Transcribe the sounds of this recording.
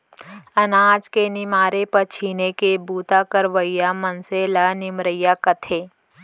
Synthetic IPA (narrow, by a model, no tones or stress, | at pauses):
ɐnaːd͡ʒkenɪmaːɾepɐɾt͡ʃʰiːnekebuːt̪akəɾʋəjːamɐnselanɪmɾəjakɐt̪ʰeː